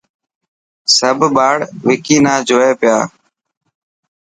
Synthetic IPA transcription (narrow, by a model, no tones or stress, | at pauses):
səbʱɓaːɽʋɪkiːnaːd͡ʒʱoːeːpɪjaː